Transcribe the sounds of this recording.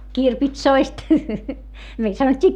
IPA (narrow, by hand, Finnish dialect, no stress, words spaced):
kirpitsoist meil sɑnotʲːiː